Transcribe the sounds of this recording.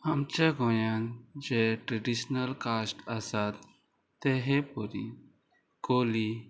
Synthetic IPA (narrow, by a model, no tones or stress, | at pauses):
amt͡ɕaɡojand͡ʑeʈɾeɖiɕnəlkasʈasat̪ː | eɦepɔɾḭ | koli